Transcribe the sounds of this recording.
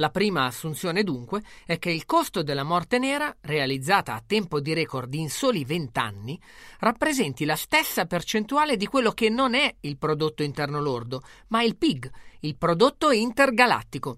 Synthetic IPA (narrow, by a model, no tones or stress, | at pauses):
lapɾiːmaːsːunt̪sjoːned̪uŋkweɛk̟ːeilkost̪od̪elːamɔrt̪enɛːɾarealid̪zːaːt̪aːt̪ːɛmpod̪iɾɛːkord̪insoːlivent̪a̰nːi | rapːɾezɛnt̪ilast̪esːapert͡ʃent̪uaːled̪ikwelːok̟enːonɛilpɾod̪ot̪ːoint̪ɛrnolord̪omailpiɡilpɾod̪ot̪ːoint̪erɡala̰t̪ːiko